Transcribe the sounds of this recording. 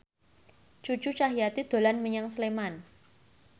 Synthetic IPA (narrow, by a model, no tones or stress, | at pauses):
t͡ʃu̥t͡ʃut͡ʃaɦijat̪id̪̥o̤lanməɲaŋsleman